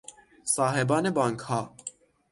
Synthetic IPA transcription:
sɑːɦɛbɑːnebɑːŋkhɑː

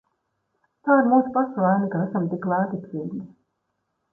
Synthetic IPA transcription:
t̪aːiɾmuːsupaslaːnikaæsamt̪iklaːt̪it̪siːɡni

